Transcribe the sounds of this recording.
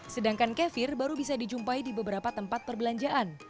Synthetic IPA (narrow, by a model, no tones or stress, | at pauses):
sədaŋkankɛfɪrbaɾubisadid͡ʒumpaidibəbəɾapat̪əmpat̪̚pərbəlaɲd͡ʒaʔan